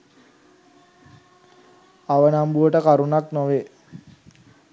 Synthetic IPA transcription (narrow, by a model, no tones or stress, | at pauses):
aʋənambuʋəʈəkaɾunaknoʋe